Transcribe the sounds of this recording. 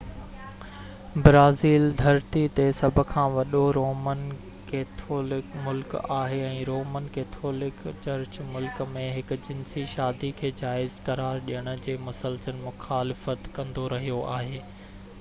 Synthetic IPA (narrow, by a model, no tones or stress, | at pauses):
bɾaːziːld̪ʱɐɾt̪it̪esɐbʱʊ̆kʰãːʋɐɗoɾoːmən | keːt̪ʰoːlɪkmʊlkaːɦeɛ̃ːɾoːmənkeːt̪ʰoːlɪkt͡ɕɐɾt͡ɕmʊlkmẽɦɪkʊ̆d͡ʑɪnsiʃaːd̪ikʰeːd͡ʑaːɪzkɐɾaːɾɗijəɽ̃ʊ̆d͡ʑeːmʊsəlsənmʊxaːlɪfət̪kɐ̃nd̪oɾɐɦijoʔaːɦeː